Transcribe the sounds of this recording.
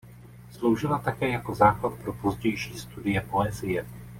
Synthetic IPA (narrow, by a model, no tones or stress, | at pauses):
slo̞wʒɪlat̪akɛːjako̞zaːklat̪̚pɾo̞po̞zɟɛjʃiːst̪udɪjɛpo̞ɛzɪjɛ